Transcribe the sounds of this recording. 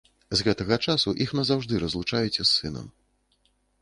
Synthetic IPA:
zɣɛt̪ɐɣɐt͡ʂasuʔixnɐzawʐd̪ɨɾɐzlˠut͡ʂajɛt͡sʲɛsːɨnɐ̰m

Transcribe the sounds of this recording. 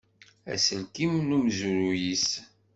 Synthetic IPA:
æ̰səlkimnumzuɾujis

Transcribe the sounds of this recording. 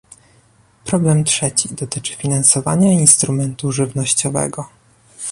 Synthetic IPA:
pɾɔblɛmt̪ʂɛt͡ɕid̪ɔt̪ɘt͡ʂɘ̥fʲinansɔva̰ɲainst̪ɾumɛnt̪uʐɘvnɔɕt͡ɕɔvɛ̰ɡɔ

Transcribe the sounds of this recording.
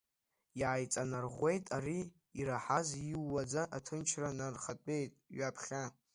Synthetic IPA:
iʕajt͡sʼanarʁʷe̞jtʼaɾi | iɾaħaziwːad͡zaʔatʰɨnt͡ʃʰranarχatʼe̞jtʼɥapʰχʲa

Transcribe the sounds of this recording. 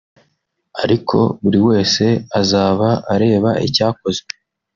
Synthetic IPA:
aɾikʰo̞̰βuɾiwe̞ːse̞azaːβaaɾe̞ːβaʔḭcaːko̞ze

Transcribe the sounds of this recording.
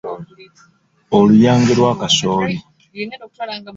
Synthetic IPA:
olujaːŋɡeɾwaːkasoːli

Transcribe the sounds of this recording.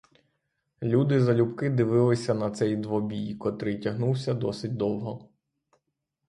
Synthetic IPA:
lʲud̪ɪzɐlʲupkɪd̪ɪʋɪlˠɪsʲɐnɐt̪sɛjd̪ʋɔbʲijkɔt̪ɾɪtʲɐɦnuwsʲɐd̪ɔsɪt̚ʲd̪ɔwɦɔ

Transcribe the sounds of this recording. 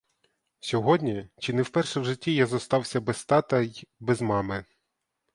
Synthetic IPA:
sʲɔɦɔdʲnʲit͡ʃinɛwpɛrʃɛwʒɪtʲːijazɔst̪ɑwsʲɐbɛst̪ɑt̪ɐbɛzmɑmɪ

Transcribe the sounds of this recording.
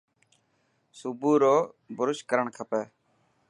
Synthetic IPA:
subuːɾoː | bʊɾʊʃkəɾəɳkʰəpeː

